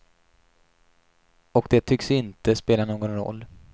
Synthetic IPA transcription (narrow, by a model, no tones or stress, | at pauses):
ɔkd̪ɛt̪ʰʏksɪnt̪əspeːlanoːɡɔnɾɔ̰lː